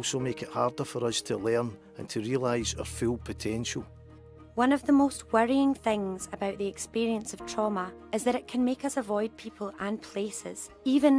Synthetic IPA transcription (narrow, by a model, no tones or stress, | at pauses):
somekɪʔha̰ɹdə˞fə˞ʌz̥tʰəlˠɛ˞n | ə̰̃ntʰəɹiəlˠaɪz̥ə̰˞fʉlˠpʰətʰɛ̃nʃəlˠ | wʌ̃nəvðəmost̚wəɹiɪ̃ŋθɪ̃ŋz̥əbaʊʔðiɛkspiɹiə̃nsəv̥tʰɹ̥ɔmə | ɪzðəɾɪʔkʰə̃nmekʌsəvɔɪd̚pʰipʰəl̩ˠə̃npʰl̥esɪ̰z̥ | ivə̃n